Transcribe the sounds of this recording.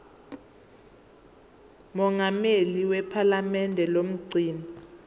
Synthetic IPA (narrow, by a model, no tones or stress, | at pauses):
mɔŋɡʱameliwɛpʰalamɛndʱɛlom̩ɡ͡ǀʱiːni